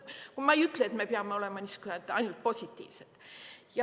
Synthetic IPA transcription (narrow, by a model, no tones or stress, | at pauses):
kumɑejyt̪ːˑleet̪me̞peɑmːeo̞le̞mɑniskyhænt̪ːɑjnult̪̚po̞sʲit̪ʲːˑḭːvset̪jɑ